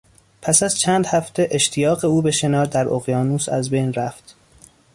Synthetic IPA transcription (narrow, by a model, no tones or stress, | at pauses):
pʰæsæz̥t͡ʃʰæːnd̪hæft̪ʰe̞ʔe̞ʃt̪ʰijɒːɣe̞uːbe̞ʃe̞nɒːɾd̪æɾʔoɣjɒːnuːsæ̰zbejnɾæft̪